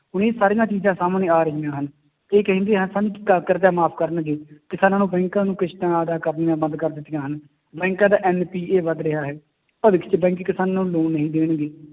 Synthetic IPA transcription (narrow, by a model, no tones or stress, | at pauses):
ɦʊneːsaːɾɪjãːt͡ʃiːzãːsaːmnẽːaːɾəɦiːãːɦən | eːkəɦə̃nd̪eːɦənsaːnĩːɪkːaːkəɾd̪aːmaːpʰkəɾəɳɡeːkɪsaːnãːnũːbɛ̃ːŋkãːnũːkɪʃʈãːəd̪aːkəɾnɪjãːbənd̪kəɾd̪ɪt̪ːɪjãːɦən | bɛ̃ːŋkãːd̪aːʔɛːnpiːeːʋəd̪ɾɪɦaːɦɛː | pəʋɪkʰt͡ʃbɛ̃ːŋkkɪsaːnaːnũːloːnːəɦĩːd̪eːɳɡeː